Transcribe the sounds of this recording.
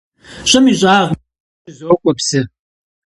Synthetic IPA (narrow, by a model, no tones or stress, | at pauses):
ɕʼɐmiʑʼaːʁ | zoːkʷʼɔpsɨ